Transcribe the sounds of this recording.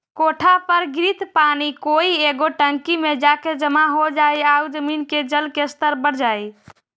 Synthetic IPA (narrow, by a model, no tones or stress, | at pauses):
koʈʰapəɾɡɾit̪panikoieɡoʈəŋkimed͡ʒaked͡ʒəmaɦod͡ʒajawd͡ʒəminked͡ʒəlkest̪əɾbəɽd͡ʒaj